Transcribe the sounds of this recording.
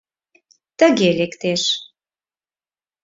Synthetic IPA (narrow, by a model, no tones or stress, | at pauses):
t̪əɣelekt̪eʃ